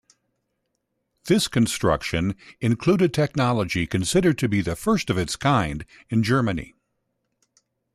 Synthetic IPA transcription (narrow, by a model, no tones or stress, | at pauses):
ðɪskɨ̃n̩stɹ̥ʌ̰kʃɨ̃nɨ̃nkʰl̥uɾɨtʰɛk̚nɑlˠəd͡ʒikʰɨ̃n̩sɪɾə˞d̚tʰɨbiðɨfɜ˞stʌvɨtskʰãɪ̃nd | ɨ̃nd͡ʒɜ˞mɨnḭ